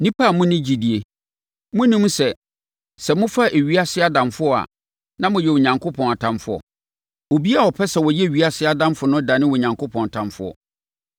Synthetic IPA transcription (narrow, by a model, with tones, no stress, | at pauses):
nĩ˦pʰa˦˨mʊ̃˦nɪ̃˦d͡ʑi˨di˨e˨ | mʊ̃˦nĩ˦m˦sɛ˨ | sɛ˨mʊ̃˦fa˦ʔe˨ɥi˦a˦sɪ˦a˦˨dã˨mfʊ˦ɔ˨a̰˨ | nã˦mʊ̃˨jɛ˨wo˨ɲã˨ŋkʰo˦pʰɔ̃˨na˨tʰã˦mfʊ˨ɔ̰˨ | o˨bi˦a˦˨ɔ˨pʰɛ˦sɛ˨wɔ˨jɛ˦˨ɥi˨˦a˦sɪ˦a˨dã˦mfʊ˨nʊ̃˦da˨nɪ̃˦wɔ˨ɲã˨ŋko˦pʰɔ̃˨n˨tʰã˨mfʊ̰˦ɔ̰˨